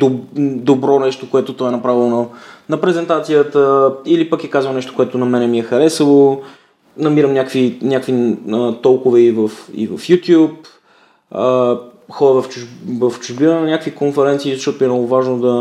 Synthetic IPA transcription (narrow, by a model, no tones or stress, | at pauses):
d̪od̪obɾɔnɛʃt̪okoɛt̪ot̪ɔɛnɐpɾavilˠnɐnɐpɾɛzɛnt̪at̪sijət̪əilipək̟ɛkazvənɛʃt̪o̥koɛt̪onɐmɛnɛmiɛxɐɾɛsəlˠo | nɐmiɾəmnʲakvinʲakviət̪ɔlˠkʊvɛivəfḭvɐ̰fjut̪ʲjup | əxɔɾəvɐft͡ʃuvɐft͡ʃʊʒbinənɐnʲjakvikonfɛɾɛnt̪siːzɐʃtɔt̪oiɛnɔɡovaʒnod̪ɐ